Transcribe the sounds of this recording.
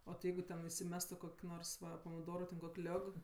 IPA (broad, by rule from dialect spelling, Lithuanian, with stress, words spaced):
oː tʲɪ ˈjɛɪɡʊ tʲɛn ɪsʲɪˈmʲæːstʊ ˈkoːkʲ ˈnoːrs ˈʋɐ pɐmʲɪˈdoːrʊ tʲɛn koːkʲ ˈlʲoːk